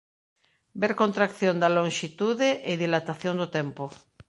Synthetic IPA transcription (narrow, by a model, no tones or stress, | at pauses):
beɾkont̪ɾakθjond̪alõŋʃit̪uðeʔɪðilat̪aθjond̪ot̪ɛmpo